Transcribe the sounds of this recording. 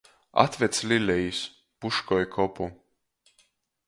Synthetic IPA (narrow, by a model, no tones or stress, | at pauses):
a̰t̪vɛt̪slʲilʲɛjis | puʃkɔjkʰɔpu